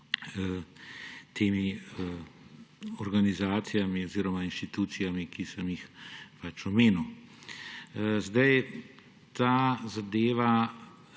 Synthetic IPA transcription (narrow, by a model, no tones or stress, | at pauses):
t̪ʰeːmi | ɔɾɡanizaːt̪sijamiɔziːɾɔmainʃt̪it̪uːt̪sijamikisəmjixpat͡ʃɔmeːnuw | zd̪aj | t̪aːzad̪eːʋa